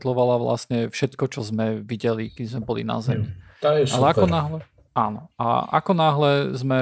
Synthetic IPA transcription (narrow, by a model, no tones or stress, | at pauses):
t̪lɔʋalaʋla̰sɲɛfʃɛt̪kɔt͡ʃɔzmɛʋiɟɛlikɛd̪izmɛbɔlḭna̰zɛmit̪aɛalɛakɔnaɦlɛ | aːnɔ̰a̰a̰kɔnaɦlɛzmɛ